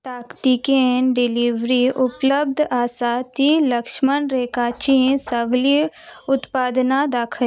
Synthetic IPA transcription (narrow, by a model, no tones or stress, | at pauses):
t̪aːkt̪ikeɖɪliʋɾiʔʊpləb̚d̪ʱaːsaːt̪iləkʃmənɾeːkaːt͡ʃĩːsəɡli | ʊt̪paːd̪nad̪aːkʰə